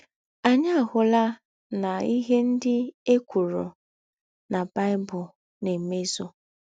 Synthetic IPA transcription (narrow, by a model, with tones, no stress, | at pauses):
a˨ɲa˦a˨ɦʊ˨la˦ | na˨i˦ɦe˦n̩˦dɪ˦e˦kʷu˨ɾo̰˨ | na˨ba˦ɪ˦bʊ˨ | ne˨me˦zo˦